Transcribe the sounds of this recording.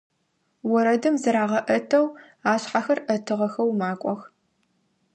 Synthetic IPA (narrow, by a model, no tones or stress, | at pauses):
wɔɾɐdɨmzɨɾaːʁɐʔɐtʰɐw | aːɕħaxɐrʔɐtʰɨʁɐxɐwmaːkʷʼɔx